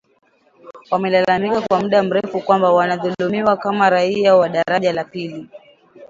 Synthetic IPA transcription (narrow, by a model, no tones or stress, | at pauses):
wamɛlalamikakwamuɗam̩ɾɛfukwambawanaðulumiwakamaɾaiawaɗaɾaʄalapili